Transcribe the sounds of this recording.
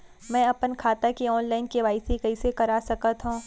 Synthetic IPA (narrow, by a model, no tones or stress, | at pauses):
mɛ̃ːɐpənkʰaːt̪akeɔːnlaːɪnkeʋaːɪsikɐisekɐɾaːsɐkət̪ɦũː